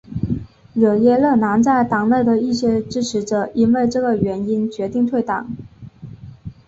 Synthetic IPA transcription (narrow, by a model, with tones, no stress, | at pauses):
ɻɤ˨˩jɛ˥˧lɤ˥˩na˧˥nt͡sa˥˩ɪt̪ɑ˨˩ŋne˥˩ɪd̪ə˩i˥˩ɕjɛ˧˥ʈ͡ʂɻ̩˥ʈ͡ʂʰɻ̩˧˥ʈ͡ʂɤ˨˩i˥nwe˥˧ɪʈ͡ʂɤ˥˩ɡə˩ɥɛ˧˥ni˥nt͡ɕɥɛ˧˥t̪i˥˧ŋt̪ʰwe˥˩ɪt̪ɑ˨˩˦ŋ